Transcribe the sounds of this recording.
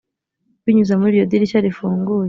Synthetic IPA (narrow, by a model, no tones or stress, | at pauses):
kwiɲuzamuɾijod̪iɾicaɾifuːŋɡuːj